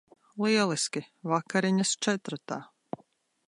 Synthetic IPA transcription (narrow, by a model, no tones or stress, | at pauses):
lˠiɛlˠiskʲivakaɾiɲast͡ʃɛt̪ɾt̪aː